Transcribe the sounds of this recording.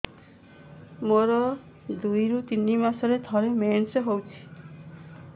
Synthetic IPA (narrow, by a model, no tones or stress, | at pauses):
moɾɔ | d̪ujɾut̪inimasɔɾed̪ʱɔɾemenseɦowt͡ʃʰi̥